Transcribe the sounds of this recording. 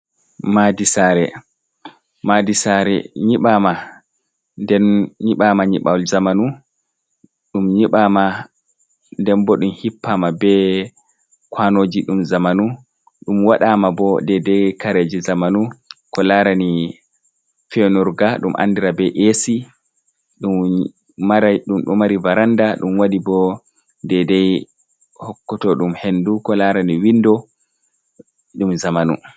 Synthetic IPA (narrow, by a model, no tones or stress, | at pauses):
madisaːɾɛ | madisaɾɛ̰ɲiɓaːma | ndɛnɲiɓamaɲiɓawlzamanu | ɗumɲiɓaːma | ndɛnbɔɗumhipːamabɛ | kwanoːd͡ʒiɗumzamanu | ɗumwaɗamabɔdɛdɛkaɾed͡ʒizamanukɔlaɾani | fɛnuɾɡaɗumʔa̰ndiɾabɛʔesi | ɗumː | aɾaɗumɗumaɾivaɾandaɗumwadibɔ | dɛdɛj | hɔkːɔtɔɗumhendukɔlaːɾaniwindɔ | ɗumzamanu